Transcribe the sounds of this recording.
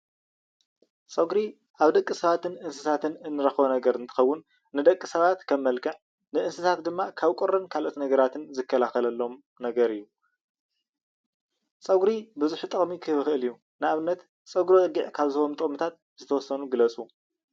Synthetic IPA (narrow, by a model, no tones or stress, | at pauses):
sʼɐɡɾi | ʔaβd̪ɐkʼːɨsɐβat̪ʰɨnʔɨnsɨt̪ʰat̪ʰɨnɨnːɨɾɐxβonɐɡɐɾɨnt̪ʰɨ̥xɐwːʊnː | ɨd̪ɐkʼːɨsɐβat̪kʰɐmːɐlkʰɨʕ | nɨʔɨnsɨt̪ʰat̪d̪ɨmːakʰaβkʼuɾːɐnkʰalʔot̪nɐɡɐɾat̪ʰɨnzɨkʰːɐlaxɐlɐlːo̞m | nɐɡɐɾɨjːu | sʼɐɡɾibɨzuħt̪ʼɨxʼmikʰɨhβɨxɨʔɨlɨjːu | nɨaβɨnːɐt̪ | sʼɐɡɾoɨɡiʕkʰaβzɐomt̪ʼɨχʼmɨt̪ʰat̪̚ | z̥ɨt̪ʰɐwɔsːɐnuɡɨlɐt͡sʼu